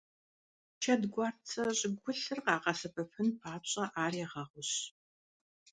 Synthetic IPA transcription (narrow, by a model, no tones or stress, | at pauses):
t͡ʃʰɐdɡʷɑːrt͡sʰɐɕʼɪɡʷʊɬɨrqɑːqɐsɐpɐpʰɨnpʰaːɕʼɐʔaːreːʁɐʁʷʊɕ